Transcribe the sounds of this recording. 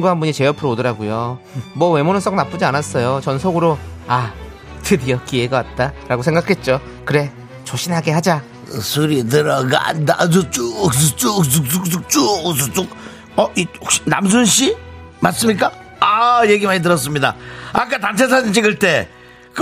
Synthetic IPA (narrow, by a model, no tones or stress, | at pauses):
ŋɡuɦanbuɲit͡ɕe̞jʌpʰɯɾoodɯɾaɡujomwʌwe̞monɯs͈ʌk̚nap͈ɯd͡ʑianas͈ʌjot͡ɕʌnsʰoɡɯɾoa | tʰɯdiʌk͈ieɡawat̚t͈aɾaɡosʰe̞ŋɡakʰe̞t̚t͡ɕ͈o | kɯɾe̞ | t͡ɕoɕʰinɦaɡe̞ɦad͡ʑa | sʰuɾit̬ɯɾʌɡa̰ndad͡ʑot͡ɕukt͡ɕukuk̚uk̚uk̚t͡ɕust͡ɕ͈ok̚ | ʌʔioɕi̥na̰ms̬ʰunɕʰimas͈ɯmɲik̬͈a | ajeɡimaɲit̬ɯɾʌs̬͈ɯmɲida̰ak̬͈atamt͡ɕʰes̬ʰadint͡ɕʰiɡɯɭt͈e̞ | k